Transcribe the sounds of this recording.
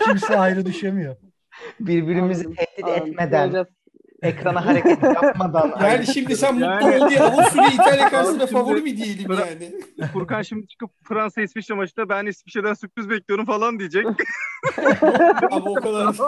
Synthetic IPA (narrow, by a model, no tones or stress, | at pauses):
cʰimsiajɾɯd̪yʃemijo | biɾbiɾimizit̪ʰɛçt̪id̪ɛt̪me̞d̪ænna | ekɾanaɦaɾekɛtʰamad̪anjaːniʃimd̪isænmuaiabsuɾiid̪alʲekansɯnafavulˠibid̪ijelʲimjaːnɪfuɾkanʃimit͡ʃʰɯ̥kɯpfɾansaisfiʃamat͡ʃʰɯd̪abænisfi̥ʃe̞d̪ænsyp̪̚yzbɛclʲijoɾumfalˠand̪ijed͡ʒɛc | amokad̪aɾ